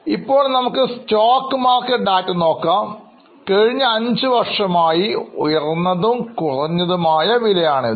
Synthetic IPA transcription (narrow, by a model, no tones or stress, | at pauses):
ipːo̞ːɭnɐmukːɨstoːkːɨmaːrkːɐʈɖaːtːɨno̞ːkːaːm | kɐɻiɲːɐɐɲd͡ʑɨʋɐrʂɐmaːjiujɐrnːɐðumkurɐɲːɐðumaːjɐʋilɐjaːɳɨ